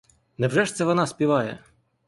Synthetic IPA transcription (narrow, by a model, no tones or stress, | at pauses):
nɛwʐɛʂt̪sɛʋɔnɑspʲiʋɑjɛ̰